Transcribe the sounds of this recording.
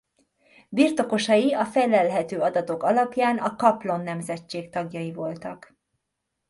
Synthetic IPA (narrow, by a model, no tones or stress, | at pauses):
birt̪o̞ko̞ʃɒjiɒfɛlɛlɦɛt̪øːɒd̪ɒt̪o̞kɒlɒpjaːnɒkɒplo̞nːɛmzɛt͡ʃːeːkt̪ɒɡjɒjivo̞lt̪ɒk